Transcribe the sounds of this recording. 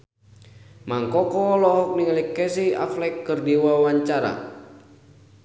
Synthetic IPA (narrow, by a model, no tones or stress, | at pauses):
maŋkɔkɔlɔɦɔk̚niŋalikːɛsia̰flɛkːɨrdiwaawaɲt͡ʃaɾa̰